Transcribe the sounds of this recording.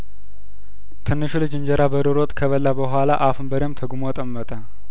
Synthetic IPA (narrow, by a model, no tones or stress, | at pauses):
t̪ʰɨnːɨʃulɨd͡ʒɨɲd͡ʒəɾabəɾɨɾot̪ʼkʰəβəlːabəɦʷalaʔafɨmbəɾemt̪ʰəɡumot̪ʼəmːət̪ʼə